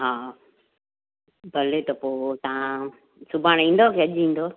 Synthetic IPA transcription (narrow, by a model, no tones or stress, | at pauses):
ɦaː | bʱɐlet̪ɐpoːt̪ɐã | sʊbʱaːɽ̃ĩːn̆d̪okʰeːɐʄĩːn̆d̪oː